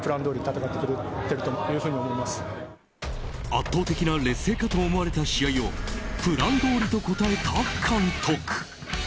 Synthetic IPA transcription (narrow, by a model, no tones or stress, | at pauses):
pɯ̟ɾãnd̪oːɾʲit̪at̪akat̪ːekɯɾɯt̪ːe̞ɾɯ̟t̪ojɯ̟ːɸɯːɲ̟iomoimasɨ̥ | at̪ːo̞ːt̪e̞kʲinaɾe̞sːe̞ːkat̪o̞ːmoaɾe̞t̪aɕiaio̞pɯ̟ɾãnd̪o̞ːɾʲit̪o̞ko̞t̪ae̞t̪akʰːãnt̪ʰokɯ̥